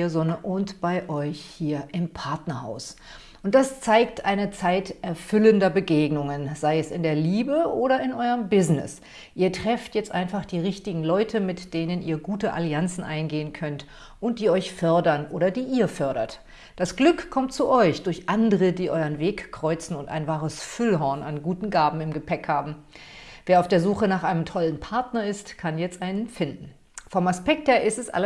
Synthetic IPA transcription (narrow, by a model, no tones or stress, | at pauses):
ɐzɔnəʔʊntb̥aɪʔɔʏçhiːɐʔɪmpʰaɐtnɐha̰ʊs | ʔʊnt̚d̥ast͡saɪktʔaɪnət͡saɪtʔɛɐfʏləndɐbəɡeːɡnʊŋənzaɪɛsɪndeːɐliːbəʔoːɾɐɪnʔɔʏəmbɪznɪ̰s | ʔiːɐtʁ̥ɛftjɛt͡stʔaɪnfaχd̥iːʁɪçtɪɡŋ̩lɔʏtʰəmɪtd̥eːnənʔiːɐɡuːtəʔa̰liant͡sn̩ʔaɪnɡeːənkʰœnt | ʔʊnt̚d̥iːɔʏçfœɐdɐnʔoːɾɐdiːʔiːɐfœɐɾɐ̰t | d̥asɡ̥lʏkkʰːɔmtt͡suʔɔʏçd̥ʊɐçʔandəʁədiːʔɔʏənveːkkʁ̥ɔʏt͡sn̩ʊnta̰ɪnvaːʁəsfʏlɦɔɐnanɡuːtn̩ɡaːbm̩ɪmɡəpʰɛkhaːbm̩ | veːɐaʊfd̥eːɐzuːxənaːχʔaɪnəmtʰɔlənpʰaɐtnɐɪstkʰanjɛt͡stʔaɪnənfɪndn̩ | fɔmaspɛk̚theːɐʔɪstɛsʔa̰l